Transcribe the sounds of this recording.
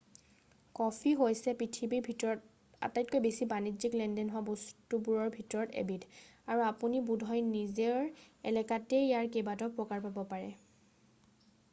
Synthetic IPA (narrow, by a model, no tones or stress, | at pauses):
kɔpʰiɦojsɛpɹitʰibibʱitɔ | a̰tajt̚kojbesibaniziklɛndɛnɦʊwabostubuɹɔɹbʱitɔɹɔtḛbidaɹuapunibudʱɔjnizeɹɛ̰lɛkatejaɹkebatɔpɹɔkaɹpabɔpaɹɛ